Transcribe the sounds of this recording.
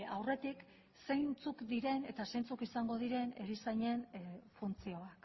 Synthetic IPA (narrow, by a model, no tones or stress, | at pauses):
awre̞t̪ik | se̞jnt͡sukd̪iɾe̞ne̞t̪ase̞jnt͡sukisaŋɡo̞ð̞iɾe̞ne̞ɾisajɲe̞nfunt͡sio̞ak